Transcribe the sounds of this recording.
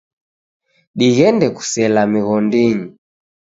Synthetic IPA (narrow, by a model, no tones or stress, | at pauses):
ɗiɣɛndɛku̥sɛlamiɣɔndiɲi